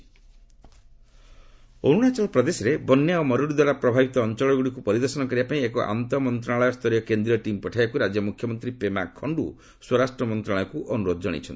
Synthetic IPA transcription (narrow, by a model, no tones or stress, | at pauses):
o̰ɽuɽat͡ʃɔlpɾɔd̪esɔɾebɔnjaomɔɾuɽid̪waɾapɾɔbʱabʱit̪ɔːnt͡ʃɔɭɔɡuɽikupɔɾid̪ɔɾsɔnɔkɔɾibapaĩekɔʔa̰nt̪ɔmɔnt̪ɾaɭɔjɔst̪ʰɔɾijɔkend̪ɾiɔʈimpɔʈʰajakuɾad͡ʒjɔmukʰjɔmɔnt̪ɾipema̰kʰːɔɳɖṵ | swɔɾasʈɾɔmɔnt̪ɾaɭɔjɔkuʔɔnuɾod̪ɔd͡ʒɔɽ̃ḭt͡ʃʰɔni